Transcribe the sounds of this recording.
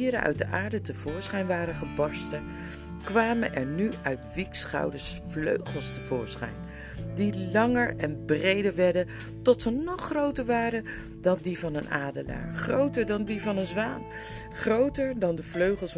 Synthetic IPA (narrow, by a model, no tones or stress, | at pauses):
iɾəʔœ̰ɥt̚dəʔaːɹdətəv̥ʊːɹsχɛjnʋaːɾəχəbɑstə | kʋaːmənʔɛ̰ɹnyʔœɥtʋiksχɑ̰wdəsflø̰ɥχəlˠstəvʊ̰ːɹsχɛ̰jn | dilɑŋəɹɛnbrejdəɹʋɛɹdən | tɔtsənɔχrowtəɹʋaːrən | dɑndivɑnənʔaːdəla̰ːɹχrowtəɹdɑndivɑnənzʋaːn | χrowtəɹdɑndəvløɥχəlˠs